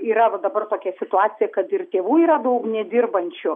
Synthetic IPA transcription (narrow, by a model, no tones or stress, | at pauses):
iːɾɐʋɐd̪ɐbɐrt̪oːkʲɛsʲɪt̪ʊɑːt͡sʲɪjɛkɐt̪ɪrt̪ʲeːʋuːiːɾɐd̪ɐʊknʲɛd̪ʲɪrbɐnʲt͡ʃʲʊ